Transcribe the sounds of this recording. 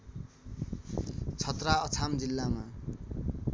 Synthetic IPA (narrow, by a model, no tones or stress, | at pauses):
t͡sʰʌt̪raʌt͡sʰamd͡zilːama